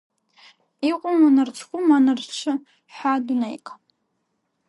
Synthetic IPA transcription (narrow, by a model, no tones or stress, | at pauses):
iqʷʼʊmanɨrt͡sʷʰkʷʊmanɨrʈ͡ʂʷʰɨ | ħadunḛjkʼ